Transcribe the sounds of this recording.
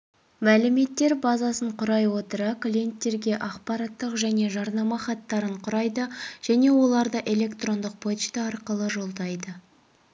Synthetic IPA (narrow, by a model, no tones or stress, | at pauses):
mælɪme̞t̪ːe̞ɾbɑzɑsəɴqʰʊɾɑjwo̞t̪əɾɑklʲije̞nt̪ːe̞ɾɡʲe̞ʔɑqpɑɾɑt̪ːəqʒæne̞ʒɑɾnɑmɑχɑt̪ːɑɾəɴqʰʊɾɑjd̪əʒ̥æne̞wo̞lˠɑɾd̪əʔe̞le̞kt̪ro̞nd̪əq̚pʰo̞t̪t͡ʃt̪əɑɾqəlˠəʒo̞lˠd̪ɑjd̪ə